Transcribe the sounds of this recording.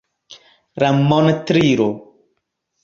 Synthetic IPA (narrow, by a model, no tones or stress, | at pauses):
ɾamɔnt̪ɾiɾo